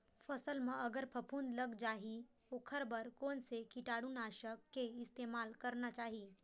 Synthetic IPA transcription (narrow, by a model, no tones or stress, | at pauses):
fɐsəlmẽɐɡəɾpʰɐpʰuːnd̪lɐɡd͡ʒaːɦit̪oːkʰɐɾbɐɾkɔːnsekɪʈaːɽunaːʃəkːeɪst̪eːmaːlkɐɾnat͡ʃaːɦi